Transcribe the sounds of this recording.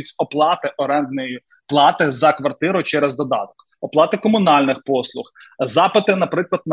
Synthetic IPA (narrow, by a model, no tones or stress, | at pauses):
sʲtʲɔplˠɑt̪ɪʔɔɾɛnd̪nɔji | plˠɑt̪ɪzɐkʋɐrt̪ɪɾʊt͡ʃɛɾɛzd̪ɔd̪ɑ̰t̪ɔ̥k | ɔplˠɑt̪ɪkɔmʊnɑlʲnɪxpɔslˠʊx | zɑpɪt̪ɪnɐpɾɪklˠɐd̪̚n